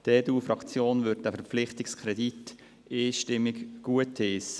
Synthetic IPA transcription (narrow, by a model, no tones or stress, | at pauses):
d̥eːduːfɾɑkt͡sjoːnʋʏd̚d̥æfəɾpflɪχtɪkskʰɾɛdit | eːʃtɪmːɪkɡ̥uətes